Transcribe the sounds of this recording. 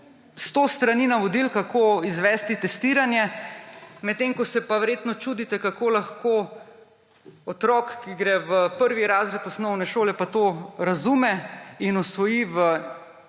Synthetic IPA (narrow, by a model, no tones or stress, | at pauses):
st̪ost̪ɾaniːnaʋɔd̪ilkakʰoizʋɛːst̪it̪ɛst̪iːɾanjɛ | mɛt̪ːeːŋkɔsɛpaʋɛɾjeːt̪nɔt͡ʃud̪it̪ɛkakoːlaxko | ɔt̪ɾɔkkːiɡɾɛʋəpəɾʋiɾaːzɾɛt̪ɔsnɔwnɛʃoːlɛpat̪oɾazumɛinɔsʋɔjiʋə